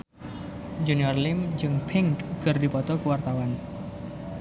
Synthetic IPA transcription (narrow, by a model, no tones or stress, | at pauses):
d͡ʒuniɔrlɪmd͡ʒɨŋpʰɪŋkɡ̥ərdipɔt̪ɔkuwart̪awan